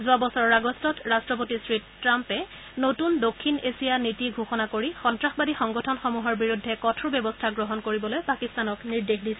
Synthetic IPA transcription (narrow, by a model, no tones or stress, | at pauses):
zʊabɔsɔɹɹaɡɔstɔtɹastɹɔp̬otisɹittɹampɛ | notundokʰːinesijanitiɡʱuxɔnakoɹixɔntɹaxbadixɔŋɡɔtʰɔnxɔmuɦɔɹbiɹudʱːɛkɔtʰubjɛbɔstʰaɡɹɔɦɔnkoɹibɔlojpakistanɔkniɹdexdisɛ